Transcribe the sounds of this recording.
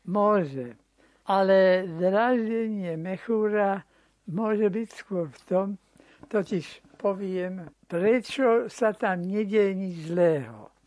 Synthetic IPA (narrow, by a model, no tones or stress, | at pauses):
mʊɔʒɛ | ʔalɛd̪ɾaːʒɟɛɲɪɛmɛxuːɾa | mʊɔʒɛbicskʊɔɾft̪ɔm | t̪ɔciʃpɔʋɪɛmpɾɛt͡ʃɔsat̪amɲɛɟɛjɛɲid͡ʒzlɛːɦɔ̰